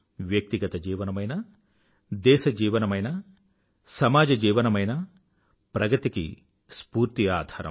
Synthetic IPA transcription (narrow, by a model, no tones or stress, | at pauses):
ʋjɐk̚t̪iɡɐt̪ɐd͡ʒiːʋɐnɐmɐjnɐ | d̪ɛːʃɐd͡ʒiːʋɐnɐmɐjnɐ | sɐmaːd͡ʒɐd͡ʒiːʋɐnɐmɐjnɐ | pɾɐɡɐt̪ikḭ | spuːɾt̪iaːd̪ʱaːɾɐ̰m